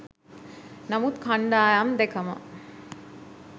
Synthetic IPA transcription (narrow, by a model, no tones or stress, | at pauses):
nɐmut̪kʰaɳɖaːjamd̪ekɐmɐ̰